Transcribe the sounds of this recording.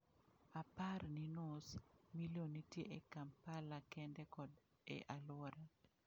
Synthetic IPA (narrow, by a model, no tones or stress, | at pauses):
aparninosmilonitjeʔekampalakɛndɛkɔd | ɛ̰ʔalwɔɾa